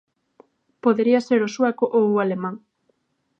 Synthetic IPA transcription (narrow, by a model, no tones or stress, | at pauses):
poðeɾiaseɾosuakoʔoalemãŋ